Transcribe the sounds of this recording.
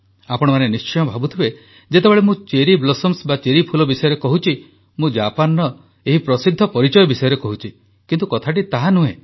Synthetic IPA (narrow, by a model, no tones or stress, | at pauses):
apɔɽ̃ɔmanenist͡ʃɔjɔbʱabut̪ʰibe | d͡ʒet̪ebeɭemũt͡ʃeɾiblɔsɔmsbat͡ʃeɾipʰulɔbisɔjɔɾekɔɦut͡ʃʰi | mũd͡ʒapanːɔ | eɦipɾɔsid̪ʱːɔpɔɾit͡ʃɔjɔbisɔjɔɾekɔɦut͡ʃʰi | kint̪ukɔt̪ʰaʈ̬it̪aɦanũe